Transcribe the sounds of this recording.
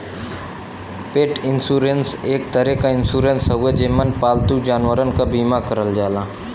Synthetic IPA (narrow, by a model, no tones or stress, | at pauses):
peːʈɪnsuːɾenseːk̚t̪əɾekaɪ̃nsuːɾẽnsɐɦʊed͡ʒɪmːənpaːlt̪ud͡ʒaːnwəɾənkabiːmakəɾəld͡ʒaːlaː